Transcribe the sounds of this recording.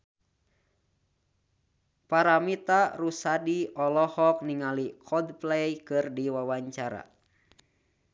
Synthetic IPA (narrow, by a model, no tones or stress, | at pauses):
paɾamit̪arusadiɔlɔhɔk̚niŋalikʰɔdplɛjkɨrdiwawaɲt͡ʃaɾa̰